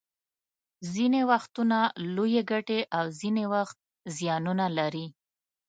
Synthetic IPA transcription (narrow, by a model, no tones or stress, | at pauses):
zinewaxt̪unalojeɡaʈeʔawzinewaxt̪̚ | zjɑnunalaɾi